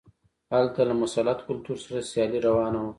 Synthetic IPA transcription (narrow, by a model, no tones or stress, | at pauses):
halt̪alamʊsalat̪kʊlt̪uɾsaɾasjɑliɾawɑːnaw